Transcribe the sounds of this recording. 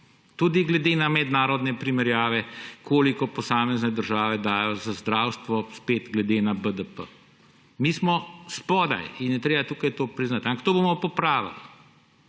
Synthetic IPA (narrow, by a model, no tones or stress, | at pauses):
t̪uːd̪iɡlɛd̪eːnamɛd̪naːɾɔd̪nɛpɾimɛɾjaːʋɛkʰoːlikɔpɔsaːmɛznɛd̪əɾʒaːʋɛd̪aːjɔzazd̪ɾaːwst̪ʋɔspeːt̪ɡlɛd̪eːnabəd̪əpə̰ | miːsmɔspɔd̪a̰jinjɛt̪ɾeːbat̪uːkajt̪oːpɾiznat̪ãmpaxt̪oːbomɔpɔpɾaːʋa̰li